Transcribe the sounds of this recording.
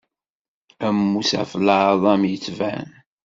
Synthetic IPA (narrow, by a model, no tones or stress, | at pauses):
æmːusæ̰fləðˤɑmjət͡sːvæ̰n